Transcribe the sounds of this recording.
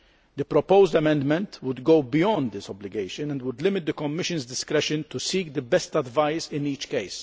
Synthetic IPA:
d̪əpɾɔpoʊzd̪ɐmɛ̃nd̪mɛ̃nt̪wʊd̪ɡowbɪjɔ̃nd̪ːɪsɔblɪɡeɪʃɨ̃nɛ̃nd̪wʊd̪lɪmɪt̪̚d̪əkɔmːɪʃɨ̃nzd̪ɪskɾɛʃɨ̃nt̪usiːk̚d̪əbɛst̪ɐdvɐɪzɪ̃niːt͡ʃkeɪs

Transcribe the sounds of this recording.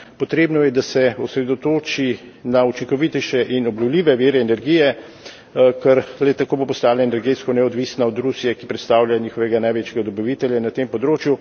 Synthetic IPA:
pɔt̪ɾeːbnɔjɛd̪asɛɔsɾɛd̪ot̪oːt͡ʃinaut͡ʃiŋkɔʋit̪ɛjʃɛʔinɔblʲɔwlʲiːʋɛʋeːɾɛːnɛɾɡijɛ | kɛɾlɛt̪akoːbopɔst̪aːlɛːnɛɾɡet̪skɔnɛɔd̪ʋiːsnaɔd̪ɾusijɛki̥pɾɛt̪st̪aːwlʲjaɲiːxɔʋɛɡanajʋeːt͡ʃjɛɡad̪ɔbiʋit̪ɛljanat̪empɔd̪ɾoːt͡ʃju

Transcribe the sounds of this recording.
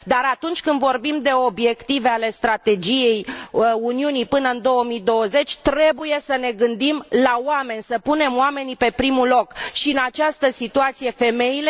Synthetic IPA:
d̪aɾat̪unt͡ʃʲkɨnd̪vo̞rbimd̪e̞o̞bje̞kt̪ive̞ale̞st̪ɾat̪e̞d͡ʒije̞juniunipɨnəɨnd̪o̞wəmid̪o̞wəze̞t͡ʃʲt̪ɾe̞buje̞səne̞ɡɨnd̪imlawame̞nʲsəpune̞moame̞nipe̞pɾimulo̞kʃiɨnat͡ʃast̪əsit̪uat̪sije̞fe̞me̞ile

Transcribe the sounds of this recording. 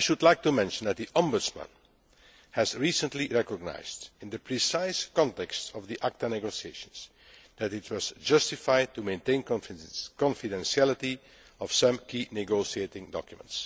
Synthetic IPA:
ajʃudlaɪk̚tumɛ̃nʃə̃n̩d̪æt̚d̪iʔɔ̃mbʊdsmə̰̃n | hæzɹiːsə̃ntliɹɛkɔɡ̚na̰ɪzdɪ̃nd̪əpɹisaɪskɔ̃ntɛkstɔvd̪iʔak̚tanɛɡosieɪʃə̃nz̥ | d̪ætɪt̚wɔzd͡ʒʌstɪfaɪd̚tumẽɪ̃ntẽɪ̃nkɔ̃nfɪdɛ̃nsiæləti | ɔfsʌ̃mkiːnɪɡoʊsieɪtɪ̃ŋdɔ̰kjmə̰̃nts

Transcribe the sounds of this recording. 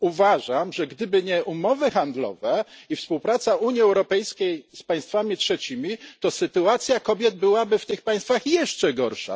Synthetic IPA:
uvaʐamʐɛɡd̪ɘbɘɲɛʔumɔvɘxand̪lɔ̰vɛifspuwpɾat̪saʔuɲjiɛwɾɔpɛjskʲejspaj̃st̪famʲitʂɛt͡ɕimʲit̪ɔsɘt̪uat̪sʲjakɔbʲjɛd̪̚bɘwabɘft̪ɘxpaj̃st̪faxjɛʂt͡ʂɛɡɔɾʂa̰

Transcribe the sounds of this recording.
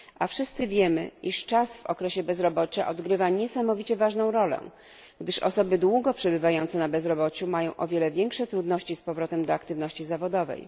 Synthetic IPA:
ʔafʂɘst̪sɘvʲjɛmɘ̰iʂt͡ʂasvɔ̰kɾɛɕɛbɛzɾɔbɔt͡ɕaʔɔd̪ɡɾɘvaɲɛsamɔvʲit͡ɕɛvaʐnɔ̃w̃ɾɔlɛ̰̃ | ɡd̪ɘʂɔ̰sɔbɘd̪wuɡɔpʂɛbɘvajɔnt̪sɛnabɛzɾɔbɔt͡ɕumajɔ̃w̃ʔɔvʲjɛlɛvʲjɛŋkʂɛt̪ɾud̪nɔɕt͡ɕispɔvɾɔt̪ɛmd̪ɔakt̪ɘvn̪ɔɕt͡ɕizavɔd̪ɔvɛ̰j

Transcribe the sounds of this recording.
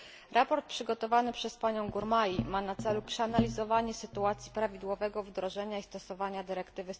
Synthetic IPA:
ɾʔapɔɾt̪̚pʂɘɡɔt̪ɔvanɘpʂɛspaɲɔ̃w̃ɡuɾmajimanat̪sɛlupʂɛanalʲizɔvaɲɛsɘt̪uat̪sʲjipɾavʲid̪wɔvɛɡɔvd̪ɾɔʐɛɲaist̪ɔsɔvaɲad̪ɘɾɛkt̪ɘvɘ

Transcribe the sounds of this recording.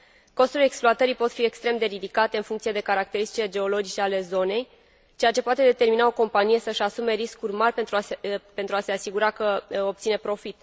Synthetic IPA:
ko̞st̪ule̞ksploat̪əɾipo̞t̪fiekst̪ɾe̞md̪e̞ɾid̪ikat̪e̞ɨnfuŋkt̪sije̞d̪e̞kaɾak̚t̪e̞ɾist̪i̥t͡ʃiele̞d͡ʒe̞o̞lo̞d͡ʒit͡ʃe̞ale̞zo̞ne̞j | t͡ʃejat͡ʃe̞poat̪e̞d̪e̞t̪e̞rminao̞ko̞mpanije̞səɨʃasume̞ɾiskurʲmarʲpent̪ɾupe̞nt̪ɾuase̞asiɡuɾakəo̞p̚t̪sinepɾo̞fit̪

